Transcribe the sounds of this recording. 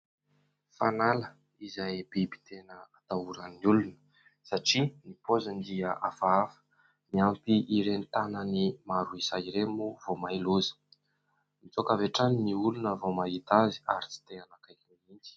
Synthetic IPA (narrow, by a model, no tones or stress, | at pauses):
fanalə | izajbebi̥t̪ʰenəat̪auɾanniulunə̥ | saʈ͡ʂinipozənd̪iəʔafaafə̥ | miampiʔiɾent̪anənimaɾuisaiɾemuvomailozə̥ | mit͡sokaveʈ͡ʂaniniulunəvomaɦit̪azi̥aɾit͡si̥t̪eanakaiɾeind͡ʒi̥